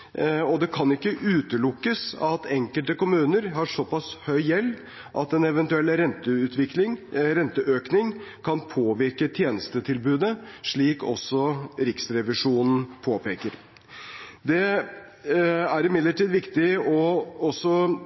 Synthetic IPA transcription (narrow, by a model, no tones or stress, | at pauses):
ɔd̪ɛkʰɑnɪkːəʔʉːt̪əlʊkːəsɑt̪ʰɛŋkəlt̪əkʊmʉːnəɾɦɑʂɔpɑshœʏjɛlː | ʔɑ̰t̪ɛnɛʋɛnt̪ʉɛlːəɾɛnt̪əʉt̪ʰʋɪklɪŋɾɛnt̪əʔøːknɪŋkʰɑnpʰoːʋɪɾkət̪ʰjeːnəst̪ət̪ʰɪlbʉːd̪əʂɭiːkɔ̰sːɔɾɪksɾɛʋɪʂuːnn̩pʰoːpʰeːkəɾ | d̪ɛ | æɾɪmɪd̪ləʈiːd̪ʋɪkt̪ɪɔɔsːɔ